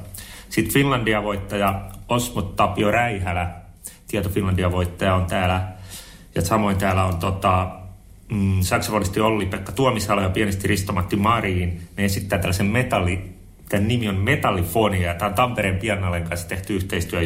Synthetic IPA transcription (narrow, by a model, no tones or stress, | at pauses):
sit̪finlɑndiɑʋoit̪ːɑjɑosmot̪ːɑpjoræihælæ | t̪iɛt̪ofinlɑndiɑʋoit̪ːɑjɑont̪æːlæ | jɑsɑmoint̪æːlæont̪ot̪ɑ | sɑksɑpolist̪iolːit̪ʋeɑikːɑt̪uomisɑlojɑpiænest̪irist̪omɑt̪ːimɑriːnneesit̪ːæːt̪ælːæsemmet̪ɑlːˑi | t̪ænnimiommet̪ɑlːifoniɑjɑt̪æːont̪ɑmpeɾeːmpiɛnenɑleŋkɑnsːɑ̥t̪eht̪yyht̪eist̪yæ